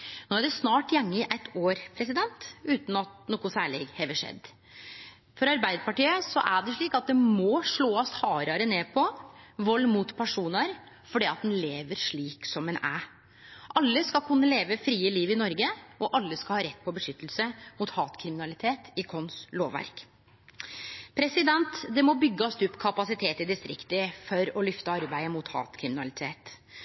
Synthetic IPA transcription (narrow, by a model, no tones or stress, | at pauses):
noːæɖɛsnɑːʈjɛŋːəɪʔæɪt̪ʰːoːɾpʰɾɛsɪd̪ɛnt̪ʉːt̪nɑt̪̚noːkʊsæːɭɛɡhɛʋəʂɛ̰d̪ | fɔɾɑɾbæɪd̪əpɑʈiːəsɔ̰ʔæɖɛʂɭiːkɑt̪̚d̪ɛmɔʂɭoːɔst̪hɑːɾɑɾəneːpʰɔʋɔlːmut̪pʰæʂuːnəɾ | fɔɖiːɑt̪̚d̪ɛnleːʋəɾʂɭiːksɔmɛnæː | ʔɑlːəskɑlkʰʉnːəleːʋəfɾiːəliːʋɪnɔɾɡəʔɔʔɑlːəskɑlhɑːɾɛt̪ːpʰɔbəʂʏt̪ːəlsəmʊt̪hɑːt̪kʰɾɪmɪnɑlɪt̪ʰeːt̪ɪkʰɔnsloːʋːæ̰ɾk | pʰɾɛsɪd̪ɛnt̪d̪ɛmɔbʏɡːəɔst̪ʉpːkʰɑpɑsɪt̪ʰeːt̪ɪd̪ɪst̪ɾɪkt̪əfɔɾɔlʏft̪əɑɾbæɪəmʊt̪hɑ̰ːt̪kʰɾɪmɪnɑlɪt̪ʰeːt̪